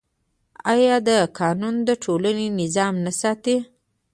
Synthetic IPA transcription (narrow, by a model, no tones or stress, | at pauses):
ɑjɑd̪əkʰɑnund̪əʈʰolanenɪzɑmnasɑt̪e